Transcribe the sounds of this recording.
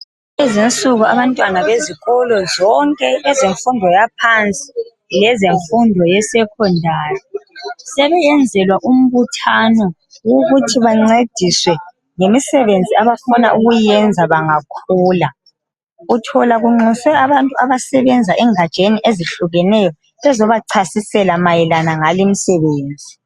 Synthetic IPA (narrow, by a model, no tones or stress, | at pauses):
ezint͡sʼuɣuaβantʼwanaβeziɣɔlɔzɔŋkʼɛɛzeɱfundʱɔjapʰant͡sʼi̥ | lɛzeɱfundʱɔjɛsɛkʰɔndʱaːjɔsɛβɛjɛnd͡zʱɛlwaʔum̩βutʰanɔ | woɣutʰiβaŋ͡ǀed̥ʱiswɛ | ŋemisɛβend͡zʱiaβafɔna̰ʔuɣujɛnd͡zʱaβaŋakʰuːla | utʰɔlaɣuŋ͡ǀusɛaβantʼuaβasɛβɛnd͡zʱaʔɛŋad̥t͡ʃʼeniʔeziɬuɣɛnɛjɔ | ɛzɔβaǀʰasisɛlamajɛlanaŋalim̩sɛβeːnd͡zʱi